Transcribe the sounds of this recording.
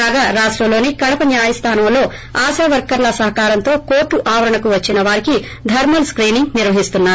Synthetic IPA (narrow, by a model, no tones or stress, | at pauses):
aːɡaːɾaːʂʈɾɐmlo̞ːnikɐɽɐpɐnjaːjɐst̪ʰaːnɐmlo̞ː | aːsaːʋɐɾkɐɾlɐsɐɦɐkaːɾɐnt̪o̞ːkoːʈːuʔaːʋɐɾɐɳɐkuʋɐt͡ʃːinɐʋaːɾiki | d̪ʱɐɾmɐlskɾiːniŋniɾʋɐɦist̪unːaːu